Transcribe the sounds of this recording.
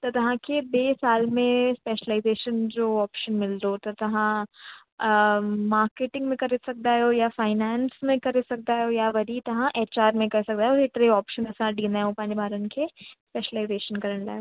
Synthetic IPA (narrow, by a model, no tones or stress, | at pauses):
t̪ɐt̪ɐɦãkʰebeːsaːlmẽspeːʃəlaːɪzeːʃənd͡ʑoːɔːpʃənmɪld̪ot̪ɐt̪ɐɦã | maːɾkeːʈɪ̃ŋɡmẽkɐɾesɐk̚d̪aɦoːjafaːɪnaːnsmẽkɐɾesɐk̚d̪aɦojaʋɐɾit̪ɐɦãʔeːt͡ʃaːɾmẽkɐɾsɐk̚d̪aːɦeoet̪ɾeɔːpʃənɐsãɖĩːnd̪aɦeõpãːɲd͡ʑebʱaːɾənkʰespeːʃəlaːɪzeːʃənkɐɾəɽ̃la̰ːɦeo